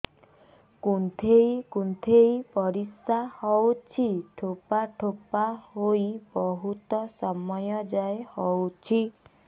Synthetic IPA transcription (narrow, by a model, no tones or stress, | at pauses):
kunt̪ʰejkunt̪ʰejpɔɾisahɔwt͡ʃʰiʈʰopaʈʰopahoibɔɦut̪ɔsɔmɔjɔd͡ʒaehɔwt͡ʃʰi